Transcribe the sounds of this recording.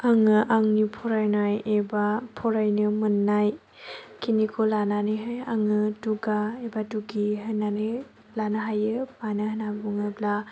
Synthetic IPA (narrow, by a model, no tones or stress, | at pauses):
aŋɯʔaŋnipʰɔɾajnajebapʰɔɾajnɯmɯnːaj | kʰinikʰolananɯjɦajaŋɯduɡaebatuɡiɦɯnanɯ | lanaɦajɯanɯɦɯnabuŋɯbla